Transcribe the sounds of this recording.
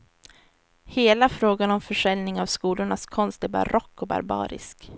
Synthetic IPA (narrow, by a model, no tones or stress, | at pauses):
heːlafɾoːɡanɔmfœʂɛlnɪŋavskuːlʊɳaskʰɔnst̪æɾba̰ɾɔkːɔba̰ɾbɑ̰ːɾɪ̰sk